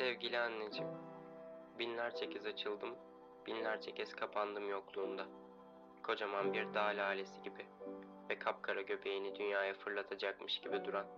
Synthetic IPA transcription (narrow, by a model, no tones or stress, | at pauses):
sɛvɟilʲianːʲed͡ʒim | binlʲæɾt͡ʃʰecʰizat͡ʃʰɯlˠd̪ɯm | b̥inlʲæɾt͡ʃʰecʰɛz̥kʰapʰand̪ɯmjoklˠuːnd̪a | kʰo̞d͡ʒamanbiɾd̪aːlʲaːlʲesiɟibi | vɛkʰap̚kʰaɾaɟø̞pʰe̞jinid̪ynjaːjafɯɾlˠat̪ʰad͡ʒakmɯʃɟibid̪uɾan